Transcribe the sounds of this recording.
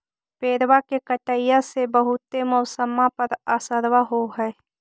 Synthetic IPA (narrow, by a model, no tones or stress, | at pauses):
peːɾwakekəʈəjãsebəɦʊt̪ːeməːsəmãpəɾaːsəɾwaɦoɦɛː